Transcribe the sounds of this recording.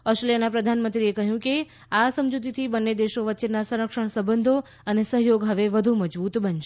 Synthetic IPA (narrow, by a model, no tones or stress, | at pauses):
ɔstʈɾelijənapɾəd̪ʱanmə̃nt̪ɾiekəɦjũke | asəmd͡ʒut̪̬it̪ʰibənːed̪eʃoʋət̪ːt͡ʃenasə̃ɾəkʃəɳ̃səbənd̪ʱo | ənesəɦjoɡɦəʋeʋəd̪ʱuməd͡ʒbut̪bənʃe